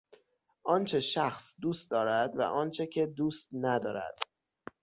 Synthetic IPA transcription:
ʔɒːnt͡ʃʰe̞ʃæxsd̪uːst̪̚d̪ɒːɾæd̪væ̰ʔɒːnt͡ʃʰecʰe̞d̪uːst̪̚næd̪ɒːɾæ̰d̪̥

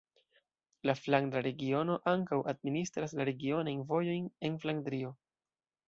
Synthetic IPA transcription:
laflaŋdaɾe̞ɡio̞no̞ʔaŋkawʔad̚ministɾaslaɾe̞ɡio̞najnvo̞jo̞jne̞nflaŋdɾio̞

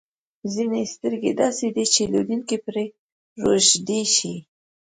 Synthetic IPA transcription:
zinest̪əɾɡed̪ɑsed̪it͡ʃelod̪inkepɾe | ɾoʃd̪eʃi

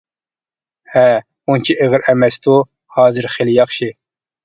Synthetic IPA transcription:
hɛ | unt͡ʃʰiʔeʁɨɾɛmɛst̪u | hɑːzɨɾχeljɑχʃi

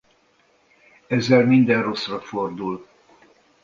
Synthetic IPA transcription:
ɛzːɛlmind̪ɛnro̞srɒfo̞rd̪ul

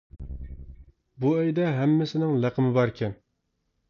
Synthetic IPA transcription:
buɛjd̪ɛɦɛmːɪsɪnɪŋlæqʰəmɪbɑɾkʲʰɛn

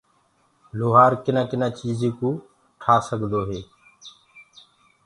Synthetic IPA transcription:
loːɦaːɾkɪnãːkɪnãːt͡ʃiːzĩːkũː | ʈʰaːsəɡʱd̪oːɦeː

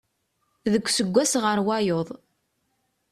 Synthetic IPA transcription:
ðəkʷːsəɡʷːæsʁəɾwɑjoðˤ

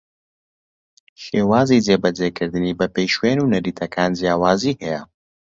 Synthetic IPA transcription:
ʃeːwaːziːd͡zeːbɐd͡zeːkʰɨɾd̪ɨniːbɐpejʃweːnuːnɐɾiːt̪ʰɐkʰaːnd͡ʒjaːwaːziːhɛjɛ̰

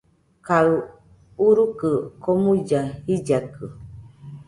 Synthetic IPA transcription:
kau | uɾukəkomud͡ʒahid͡ʒakɯ

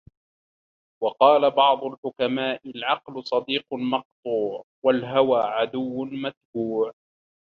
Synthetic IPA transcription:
wɑqɑːlabɑʕd̪ˤʊlħʊkamaːʔɪlʕɑqlʊsˤɑd̪iːqmɑq̚t̪ˤuːʕ | walɦawaːʕad̪ʊwːʊmat̪̚buːʕ

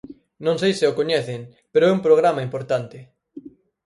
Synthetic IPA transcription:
nõŋsejsɪʊkoɲɛθɪŋ | peɾoɛumpɾoɣ̞ɾamaimpoɾt̪ant̪ɪ

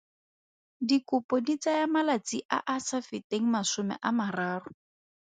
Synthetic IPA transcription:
dikʊpɔdit͡sajamalat͡siʔa̰ʔasafɪteŋ̩masʊmɛ̰ʔamaraːrʊ

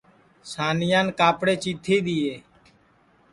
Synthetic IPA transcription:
saːnɪjaːnkaːpɽeːt͡ʃiːt̪ʰːiːɗ̪ɪeː

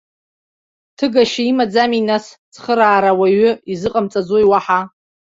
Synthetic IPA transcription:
tʰɨɡaʃaimad͡zaminast͡sʰχəɾaːɾawaɥʏizɨqʼamt͡sʼad͡zojwaħa

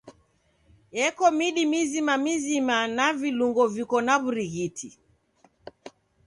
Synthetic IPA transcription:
ɛkɔmiɗimizimamizimanaviluŋɡɔvikɔnaβuɾiɣitʰi

